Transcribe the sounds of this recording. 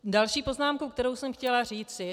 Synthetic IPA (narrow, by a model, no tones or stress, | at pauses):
dalʃiːpo̞znaːmkowkt̪ɛɾo̞wsɛmxcɛlar̝iːt͡sɪ